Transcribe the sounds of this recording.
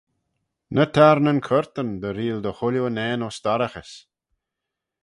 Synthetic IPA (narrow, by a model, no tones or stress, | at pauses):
nʔət̪ʰaɾnənkʰəɾt̪ənd̪əɾiːld̪əxʊlʲonɛːnɔsd̪aɾəxəs